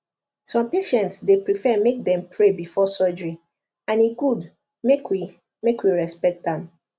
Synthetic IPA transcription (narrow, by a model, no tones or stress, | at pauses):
sɔ̃mpeʃɛ̃ntsdepɹifɛmek̚dɛ̃mpʰɹebifɔsɔd͡ʒɹi | ãniɡud | mekwi | mekwiɹɛspɛk̚tãm